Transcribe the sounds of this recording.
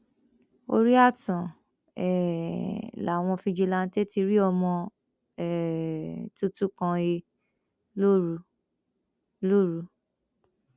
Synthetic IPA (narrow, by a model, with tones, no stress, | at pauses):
o̰˧ɾi˦a˦˨tɔ̃˨ | ɛ˨ | la˨w̃ɔ̃˧fi˧d͡ʒe˧la˧n̩˦te˦ti˧ɾi˦ɔ˧mɔ̃˧ | ɛ˨ | tu˦tu˦kã˧e˧ | lo˦ɾu˧˦ | lo˦ɾu˧